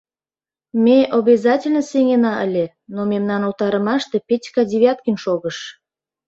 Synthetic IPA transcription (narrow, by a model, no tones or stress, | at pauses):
mʲeʔobʲezɑtʲelʲnəseŋenɑʔəlʲe | nomʲemnɑnult̪ɑɾəmɑʃt̪e̽pʲetʲkɑdʲeβʲɑt̪̚kənʲʃoɣəʃ